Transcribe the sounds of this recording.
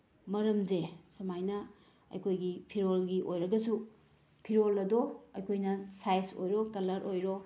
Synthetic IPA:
mɐɾɐmzesɐmajnɐ | ɐ̰jkʰojɡipʰiɾolɡiʔojɾɐɡɐsu | pʰiɾolɐdoɐjkʰojnɐsajso̰jɾokɐlɐɾʔojɾo

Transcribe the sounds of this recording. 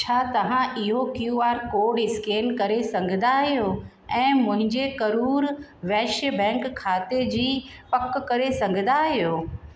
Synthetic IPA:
t͡ɕʰaːt̪ɐʋ̤ãʔɪɦokjuaːɾkoːɖɪskeːnkɐɾesɐ̃ŋɡʱɪ̃nd̪aɦijo | ɛ̃ːmʊ̃ɦɪ̃ɲd͡ʑekɐɾuːɾʋɛːʃəbɛ̃ːŋkʰːaːt̪ed͡ʑiːpɐkkɐɾesɐ̃ŋɡʱɪ̃nd̪aɦijoː

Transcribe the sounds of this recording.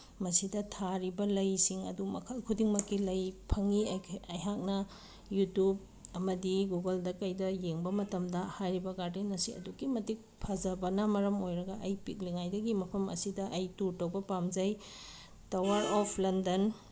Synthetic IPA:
mɐsidɐtʰaɾibɐlɐjsiŋɐ̰dumɐ̰kʰɐlkʰudiŋmɐkːilɐjpʰɐŋiɐjɦak̚nɐ | jutjub̚ | ɐmɐdiɡuɡɐldɐkɐjdɐjeŋbɐmɐtɐmdɐhajɾibɐɡaɾdenɐsiɐ̰dukimɐtik̚pʰɐzɐbɐnɐmɐɾɐmojɾɐɡɐʔɐjpik̚liŋajdɐɡimɐpʰɐmɐ̰sidɐʔɐjtuɾtɐwbɐpamzɐj | tɐwɐɾɔpʰlɐndɐn

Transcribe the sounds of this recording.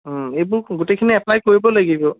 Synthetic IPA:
ejbʊɹɡutejkʰiniap̚najkoɹibɔlaɡibɔ

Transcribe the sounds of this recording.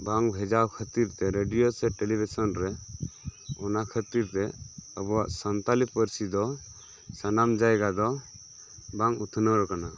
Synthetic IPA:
baŋbʱɛd͡ʒawkʰət̪iɾt̪ɛɾeɖijosɛʈelibʱisɔnɾɛ | ɔnakʰət̪iɾt̪ɛəbɔa̰ʔsənt̪alipəɾsid̪ɔ | sanamd͡ʒajɡad̪ɔ | baŋut̪ʰnəɾkana

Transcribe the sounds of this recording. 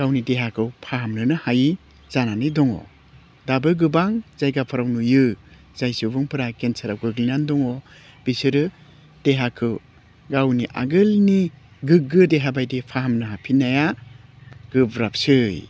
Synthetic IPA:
ɡawnideɦakʰɯwpʰaɦamnɯnɯhaji | zananɯdɔŋɔ̰ | dabɯɡɯbaŋz̥ajɡapʰaɾawnujɯ | z̥ajsɯbuŋpʰɯɾakensʰaɾawɡɯɡlnandɔŋɔ | b̥isɯɾɯ | d̥eɦakʰɯw | ɡawniʔa̰ɡɯlni | ɡɯɡɯdeɦabajdepʰaɦamnɯɦapʰinaja | ɡ̥ɯbɾap̚sɯj

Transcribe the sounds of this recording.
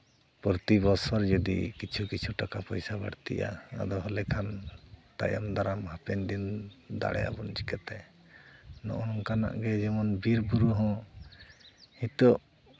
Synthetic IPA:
pɔɾt̪ibɔsɔɾd͡ʒɔd̪ḭkit͡ʃʰukit͡ʃʰuʈakapɔjsabaɽt̪ḭʔa̰ːd̪ɔɦɔlɛkʰant̪a̰jamd̪aɾamhapɛnd̪ind̪a̰ɽɛ̰ja̰bɔnt͡ʃi̥kɛt̪ɛ | nɔ̰ʔɔnɔŋkana̰ʔɡɛd͡ʒɛmɔnbiɾbuɾuɦɔ̃ | hit̪ɔʔ

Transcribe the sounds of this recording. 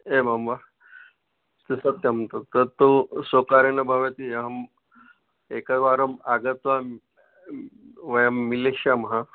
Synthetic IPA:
ebʱamʋa | t̪isət̪ːjamt̪ot̪əɾt̪osokaɾenəbʱaʋət̪iəm | ekəʋaɾəmaɡət̪ʋa | ʋəjəmːileɕamɦã

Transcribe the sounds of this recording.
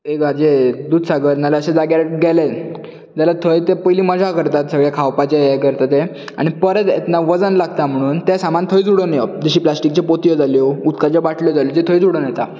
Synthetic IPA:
ekad͡ʑed̪uːd̪saɡəɾnalaəɕẽd͡zaɡaɾɡɛle | d͡ʑalat̪ʰəjt̪epəjliːməd͡zʱakəɾt̪at̪səɡɭjakʰawpat͡ɕejɛkəɾt̪at̪e | a̰ɽ̃ipəɾət̪ḛt̪naʋəd͡zənlaɡt̪am̤əɽ̃uːnt̪jasamant̪ʰəid͡zuɽonjɔd͡ʑəɕiːplasʈik̚t͡ɕepot̪ijɔd͡zaljɔut̪kat͡ɕjɔʋaʈljɔd͡zaljɔt̪et̪ʰəjd͡zuɽənjɛt̪a

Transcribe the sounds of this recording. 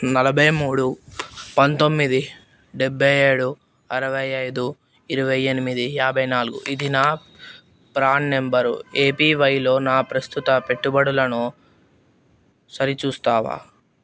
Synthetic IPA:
nɐlɐbʱɐjmuːɽupɐnt̪o̞mːid̪i | ɖebʱːɐje̞ːɽu | ɐɾɐʋɐjɐjd̪u | iɾuʋɐjenimid̪ijaːbʱɐjnaːluɡuʔid̪inaː | pɾaːnːe̞mbɐɾeːpiːʋɐjlo̞ːnaːpɾɐst̪ut̪ɐpe̞ʈːubɐɽulɐnu | sɐɾit͡ʃuːst̪aːʋa̰ː

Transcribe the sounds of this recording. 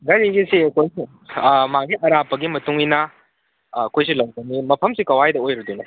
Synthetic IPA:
ɡaɾiɡisiɐkojsi | maɡiʔɐɾapːɐɡimɐtuŋinɐː | kojs̬ilɐwzɐnimɐpʰɐmsikɐwajdɐojɾɐdunɐ

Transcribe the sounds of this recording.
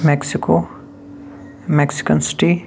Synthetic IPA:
mɛksiko | mɛksi̥kənsi̥ʈi

